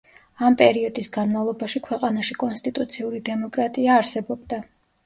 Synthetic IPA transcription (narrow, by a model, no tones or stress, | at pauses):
ampʼɛɾiɔd̪isɡanmavlˠɔbaʃikʰwɛqʼanaʃikʼɔnst̪ʼit̪ʼut̪sʰiuɾid̪ɛmɔkʼɾat̪ʼiaːɾsɛbɔbd̪a